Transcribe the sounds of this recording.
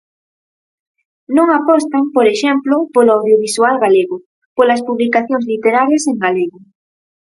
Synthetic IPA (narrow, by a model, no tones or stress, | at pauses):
nõŋapɔst̪ampoɾeʃɛmplopoloawðjoβ̞iswalɣaleɣʊ | polɐspuβlikaθjoŋzlit̪eɾaɾjɐseŋɡaleɣʊ